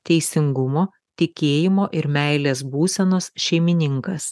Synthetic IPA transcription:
t̪ʲɛɪsʲɪŋɡʊmoː | t̪ʲɪkʲeːjɪmoːʔɪɾmʲæɪlʲeːsbuːsʲɛnoːsʃʲɛɪmʲɪnʲɪŋkɐs

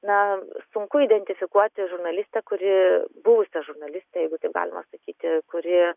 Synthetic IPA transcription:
nɐsʊŋkʊiːd̪ʲɛnʲt̪ʲɪfʲɪkuɔt̪ʲɪʒʊrnɐlʲɪsʲt̪ʲɛkʊɾʲɪbʊʋʊsʲɛʒʊrnɐlʲɪsʲt̪ʲɛjɛɪɡʊt̪ɐɪpɡɑ̰ːlʲɪmɐ̰sɐkʲiːt̪ʲɪkʊɾʲɪ

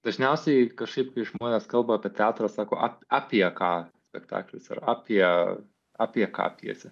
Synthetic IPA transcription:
d̪ɐʒʲnʲɛʊsʲɛɪkɐʃkɐɪp̚kɐɪʒmoɔːnʲɛskɐlˠbɐɑːpʲiɛt̪ʲæːt̪ɾɑːsɑːkoːʔɑpʲɑːpʲiɛkɑːsʲpʲɛkt̪ɑ̰ːklʲʊsɐ̰ɾɑːpʲiɛ | ɑːpʲiɛkɑ̰ːpʲḭɛ̰sʲɪ

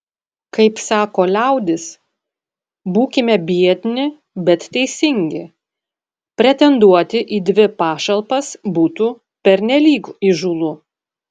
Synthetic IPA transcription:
kɐɪpsɑːkoːlʲæˑʊd̪ʲɪs | buːkʲɪmʲɛbʲiɛt̪ʲnʲɪ | bʲɛt̪t̪ʲɛɪsʲɪŋʲɡʲɪ | pʲɾʲɛt̪ʲɛnd̪uɔt̪ʲɪʔiːd̪ʲʋʲɪpɑːʃɐlˠpɐsbuːt̪u | pʲɛɾʲnʲɛlʲiːkiʒuːlˠu

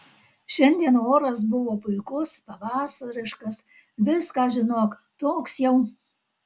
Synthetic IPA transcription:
ʃʲɛnʲd̪ʲiɛnoːɾɐs̬bʊʋoːpʊɪkʊspɐʋɑːsɐɾʲɪʃkɐs | ʋʲɪskɑːʒʲɪnoːk | t̪oːksjɛʊ

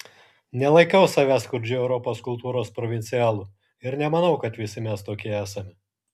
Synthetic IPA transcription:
nʲɛlˠɐɪkʲɛʊsɐʋʲæːskʊɾʲd͡ʒʲʊɛʊɾɔpoːskʊlˠt̪uːɾoːspɾɔʋʲɪnʲt̪sʲɪjæːlˠuː | ɪɾnʲɛmɐnɐʊkɐt̪ʋʲɪsʲɪmʲɛst̪oːkʲiɛæːsɐmʲɪ

